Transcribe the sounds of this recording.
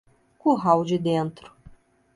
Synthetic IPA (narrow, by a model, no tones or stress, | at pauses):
kʊɦawd͡ʒɪd̪ẽnt̪ɾʊ̥